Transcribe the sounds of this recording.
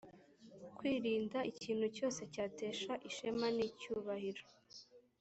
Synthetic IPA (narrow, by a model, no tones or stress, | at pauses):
kwiːɾiːndaʔiciːn̥huco̞ːse̞caːte̞ːʃaʔiʃemanicuβahiɾo